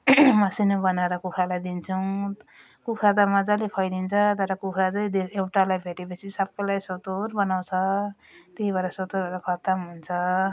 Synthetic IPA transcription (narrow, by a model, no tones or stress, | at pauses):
mʌsinobʌnaɾʌkukʰalajd̪int͡sʰuw | kukʰat̪amʌd͡zalepʰʌjd̪int͡sʰʌt̪ʌɾʌkukʰad͡zʌj̃d̪eewʈalajbʱeʈepʌt͡sʰisʌb̚kolajsot̪oɾbʌnaw̃t͡sʰʌ | t̪eɦibaɾʌsot̪oɾbaɾakʰʌt̪ʌmɦunt͡sʰʌ